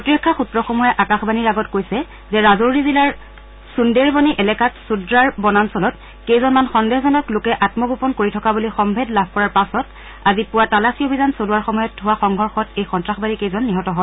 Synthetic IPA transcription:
ɹotɹɔkʰːaxutɹɔxomɔjɛʔakaxbaniɹaɡɔtkojsɛ | zɛɹazoɹɹizilaɹ | sundeɹbɔniʔɛlɛkatsudɹaɹbɔnansɔlɔt | kejzɔnmanxɔndezɔnɔklʊkɛʔatmɔɡopɔnkoɹitʰɔkabulixɔmbʱedlab̚ʱkɔɹaɹpasɔt | azipʊwatalasiobʱizansoluwaɹxɔmɔjɔtɦʊwaxɔŋɡʱɔɹxɔtejxɔntɹaxbanikejzɔnːiɦɔtɔɦɔ

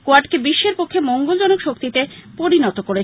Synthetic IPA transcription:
koaɖkebiʃːeɾpokʰːemoŋɡold͡ʑɔnokʃokt̪it̪epoɾinɔt̪okoɾe

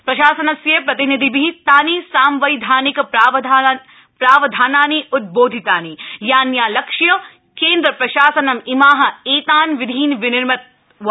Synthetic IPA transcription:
pɾɐʃaːsɐnɐsjepɾɐt̪inid̪ʱibiit̪aːnisaːmʋɐjd̪ʱaːnik̪ː | pɾaːʋɐd̪ʱaːnaːniʔut̪̚boːd̪ʱit̪aːnijaːnjaːlɐkʂjɐ | keːnd̪ɾɐpɾɐʃaːsɐnɐmimaːɦɐ̆eːt̪aːnʋid̪ʱiːnʋɪnɪɾmɐt̪̚

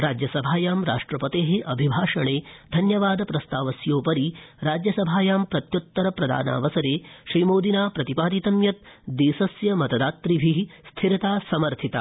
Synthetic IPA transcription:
ɾaːd͡ʒjɐsɐbʱaːjaːmɾaːʂʈɾɐpɐt̪eːɦeʔɐbʱibʱaːʂɐɳeːd̪ʱɐnjɐʋaːd̪ɐpɾɐst̪aːʋɐsjoːpɐɾiɾaːd͡ʒjɐsɐbʱaːjaːmpɾɐt̪jut̪ːɐɾɐpɾɐd̪ʱa̰ːna̰ːʋɐsɐɾeːʃɾiːmoːd̪inaːpɾɐt̪ipaːd̪it̪ɐmjɐt̪̚d̪iːsɐsjɐmɐt̪ɐd̪aːt̪ɾibʱiɦst̪ʰiɾɐt̪aːsɐmɐɾt̪ʰit̪a̰

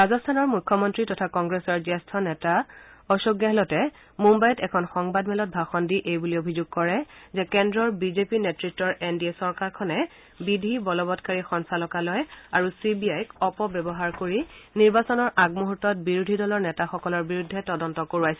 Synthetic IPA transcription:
bazɔstʰanɔɹmukʰːɔmɔntɹitɔtʰakɔŋɡɹesɔɹzɛstʰɔnɛta | ɔsoɡjaɦɛlɔtɛ | mumbajɔtɛkʰɔnxɔŋbadmɛlɔt̚bʱaxɔndiʔejbuliobʱizuɡ̚kɔɹɛzɛkɛndɹɔɹbizepinetɹitːɔɹendiesɔɹkaɹkʰɔnɛ | bidʱibɔlɔbɔtkaɹixɔnsalɔkalɔjaɹusibiajkɔpɔbɛbɔɦaɹkoɹiniɹbasɔnɔɹʔaɡmuɦutːɔt̚biɹudʱidɔlɔɹnɛtaxɔkɔlɔɹbiɹudʱːɛtɔdɔntɔkoɹuajsɛ

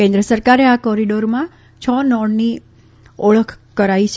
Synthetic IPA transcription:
kẽnd̪ɾəsəɾkaɾeakɔɾiɖoɾmã | t͡ʃʰɔnɔɽni | əɭəkʰ | kəɾait͡ʃʰ

